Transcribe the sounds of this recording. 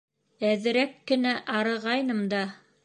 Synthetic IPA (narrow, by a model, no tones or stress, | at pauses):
æðɘ̆ɾækːɘ̆næʔɑɾɤ̆ʁɑjnɤmd̪ɑ